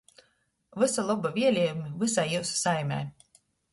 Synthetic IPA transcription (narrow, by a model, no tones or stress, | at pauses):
vɨsalˠubavʲiɛlʲiɛjumivɨsajiwssajmʲɛ̰j